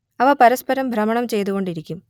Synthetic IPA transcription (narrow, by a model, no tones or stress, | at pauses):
ɐʋɐpɐɾɐspɐɾɐmbʱɾɐmɐɳɐmt͡ɕe̞jt̪uɣo̞ɳɖiɾikʲːum